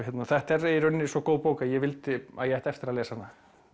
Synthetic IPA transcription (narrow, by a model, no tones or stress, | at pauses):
jɛt̪naθɛht̪ɛrejɾʏnːɪsɔkoːwpoːwkaðjɛvɪlt̪ɪa̰ðjɛajht̪ɛft̪ɪɾaðlɛːsanːa